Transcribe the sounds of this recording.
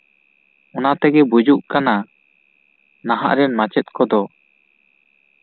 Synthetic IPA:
ɔnat̪ɛɡɛbud͡ʒuʔkana | naɦa̰ʔɾɛnmat͡ʃɛt̪̚kɔd̪ɔ

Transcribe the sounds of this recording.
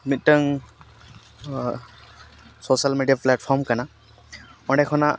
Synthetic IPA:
mit̪̚ˀtəŋ | sɔsalmeɖijaplɛʈ̚pʰɔɹmkana | ɔɳɖɛkʰɔna

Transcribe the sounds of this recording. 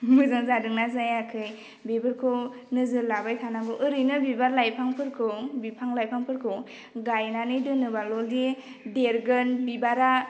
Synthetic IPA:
mɯzɯŋzadɯŋnazajakʰɯj | bebɯɾkʰɯ | nɯzɯlabajtʰanabɯʔɯɾɯjnɯbibaɾlajpʰaŋpʰɯɾkʰɯbipʰaŋlajpʰaŋpʰɯɾkʰɯ | ɡajnanɯjdɯnɯbalɔldi | deɾɡɯnbibaɾa

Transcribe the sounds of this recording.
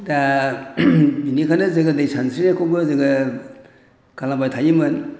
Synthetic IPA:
da | binikʰanɯzɯɡɯdajsansɾinakʰobɯzɯɡɯ | kalabajtʰajimɯn

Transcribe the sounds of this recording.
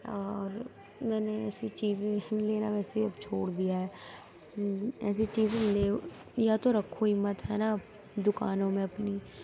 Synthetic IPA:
ɔːɾ | mɛːneɛːsit͡ʃiːzeleːna̰ːʋɛːseiəbt͡ʃʰoːɽd̪ijaːɦɛː | ɛ̰ːsit͡ʃiːzleː | jaːt̪oɾəkʰːoɪmːət̪ɦɛːnab | d̪ʊkaːnõːmẽəpniː

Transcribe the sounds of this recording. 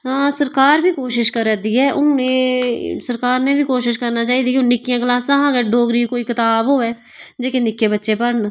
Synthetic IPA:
ãːsəɾkaːɾbʱiːkoːʃɪʃkəɾɛd̪iːɛːʔʊ̰ñːnẽːsəɾkaːɾnẽːbiːkoːʃɪʃkəɾnaːt͡ʃaːiːd̪iːkonɪkːijãːɡəlaːsãːɦãːɡɛːɖoːɡɾiːkoːiːkət̪aːbɦoːɛː | d͡ʒeːkeːnɪkːeːbətːʃeːpəɾn

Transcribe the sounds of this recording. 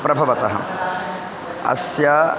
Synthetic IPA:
pɾɐbʱɐʋɐt̪ɐɦɐ̰ | ɐ̰sja

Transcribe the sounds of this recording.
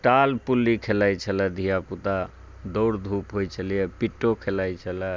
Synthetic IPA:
ʈalpulːikʰelajt͡ʃʰəlɛd̪ʱijaput̪a | d̪ɔwɽd̪ʱupɦojt͡ʃʰəlijɛpiʈːokʰelajt͡ʃʰəlɛ

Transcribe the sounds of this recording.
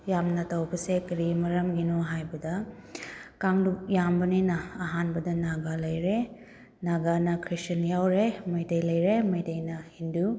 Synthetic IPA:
jamnɐtɐwbɐsekɐɾimɐɾɐmɡinoɦajbɐdɐ | kaŋdujambɐninɐɐɦanbɐdɐnaɡalɐjɾe | naɡanɐkʰɾit͡ʃɐnjawɾemɐjtɐjlɐjɾemɐjtɐjnɐhindu

